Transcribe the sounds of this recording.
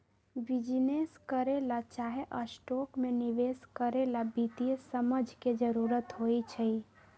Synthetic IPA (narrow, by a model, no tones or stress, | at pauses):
bid͡ʒneskəɾelat͡ʃaɦeʔəsʈokmeniʋeskəɾelabit̪ijsəməd͡ʒʱked͡ʒəɾuɾət̪ɦoit͡ʃʰəi